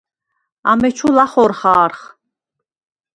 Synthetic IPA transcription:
a̰mɛt͡ʃʰulaχɔɾχaːɾχ

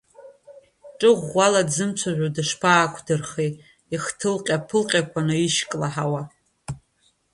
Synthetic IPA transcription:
ʈ͡ʂʼɨʁʷːaladzɨmt͡sʷʰaʒᶣʷadɨʂpʰaːkʷʰdɨrχejtʼ | iχtʰɨlqʲʼapʰɨlqʲʼakʷʰanɨiʃkʼlaħawa

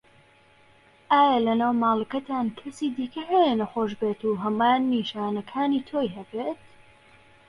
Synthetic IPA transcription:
ʔaːjɐlɐnaːwmaːlˠəkɐt̪ʰaːnkʰɐsiːd̪iːkɐhejenɐxoːʃbeːt̪uːɦɐmaːnːiːʃaːnɐkʰaːniːt̪ʰoːjɦɐbeːt̪̚

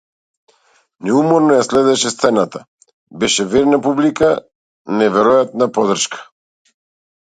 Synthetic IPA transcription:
nɛumɔɾnɔjaslɛd̪ɛʃɛst̪sɛnat̪a | bɛʃɛvɛɾnapublika | nɛvɛɾɔjat̪napɔd̪r̩ʃkḁ

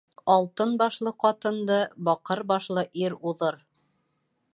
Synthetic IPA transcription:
ɑlˠt̪ɤnbɑʃlˠɤqɑt̪ɤ̆nd̪ɤbɑqɤɾbɑʃlˠɤʔiɾuðɤɾ

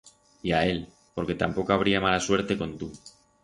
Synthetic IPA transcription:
iae̞l | po̞ɾke̞t̪ampo̞koaβ̞ɾiamalaswe̞ɾt̪e̞ko̞nt̪u

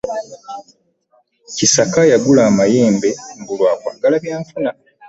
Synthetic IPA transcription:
cisakajaɡulaːmajeːmbe̞ŋbulwaːkwa̰ːɡalaβjaːɱfuna

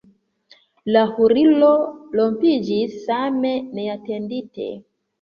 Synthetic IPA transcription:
lahuɾilolompid͡ʒiameneatenditḛ

